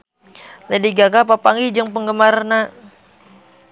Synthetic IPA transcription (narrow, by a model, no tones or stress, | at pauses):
lədiɡakapapaŋɡid͡ʒəŋpəŋɡəmarna